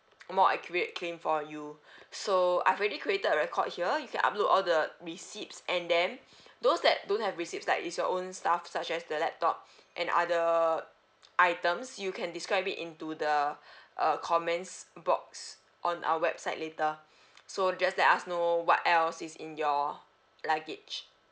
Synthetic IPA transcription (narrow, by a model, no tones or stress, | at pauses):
mɔʔɛkjɹət̚kʰlẽmfɔjusoa̰jɛvɛɹikʰɹietədəɹɛkʰɔ̰d̚hiəjukʰɛ̃na̰p̚lotɔldəɹisipsʔɛ̃ndɛ̃n | dosdɛt̚dõnthɛvɹisip̚slaɪkḭsjɔʔõnstafsat͡ʃɛsdəlɛp̚tɔp̚ʔɛ̃na̰də | ʔaɪtə̃msjukʰɛ̃ndiskɹaɪp̚ḭtĩntudəʔʌkʰɔmɛ̃nsbɔ̰k̚s | ʔɔ̃nʔa̰wəwɛb̥saɪt̚letə | sod͡ʒastlakasnowɔ̰tɛlsisḭ̃njɔ | laɡit͡ʃ